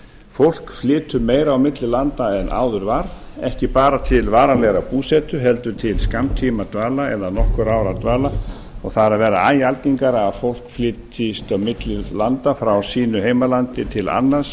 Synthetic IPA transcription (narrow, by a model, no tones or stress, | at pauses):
fowl̥kflɪːt̪ʏmeːjɾawmɪt̪lɪlant̪aɛnʔa̰ːwðʏɾvaɾ | ɛhcɪpaːɾat̪ʰɪlvaːɾalɛɣɾapuːsɛt̪ʏɦɛlt̪ʏt̪ʰɪlskamt̪ʰiːmat̪vaːlaɛðanɔhkʏɾaːwɾat̪vaːla | ɔɣθaðɾaðvɛːɾaaːjalciŋkaɾafowl̥kflɪːt̪ɪst̪awmɪt̪lɪlant̪afɾawsiːnʏheːjmalant̪ɪt̪ʰɪla̰nːḁs